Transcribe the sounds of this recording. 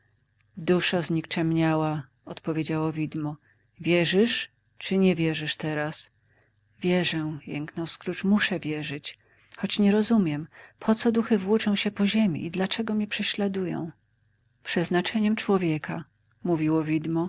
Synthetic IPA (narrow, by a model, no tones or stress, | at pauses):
d̪uʂazɲikt͡ʂɛmɲawa | ɔt̪pɔvʲjed͡ʑawɔvʲid̪mɔ | vʲjɛʐɘʂ | t͡ʂɘɲɛvʲjɛʐɘʂt̪ɛɾas | vʲjɛʐɛjɛ̰ŋknɔ̃w̃skɾut͡ʂmuʂɛvʲjɛʐɘt͡ɕ | xɔt͡ɕɲɛɾɔzumʲjɛmpʰɔt̪sɔd̪uxɘvwut͡ʂɔ̃w̃ɕɛpɔʑemʲḭʔid̪lat͡ʂɛɡɔmʲɛpʂɛɕlad̪ujɔ̰̃w̃ | pʂɛznat͡ʂɛɲɛmt͡ʂwɔvʲjɛka | muvʲiwɔvʲid̪mɔ